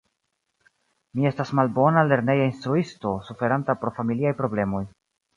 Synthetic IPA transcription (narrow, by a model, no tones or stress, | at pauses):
mie̞stasmalbo̞nale̞ɾne̞jainstɾuisto̞sufe̞ɾantapɾofamiliajpɾo̞ble̞mo̞j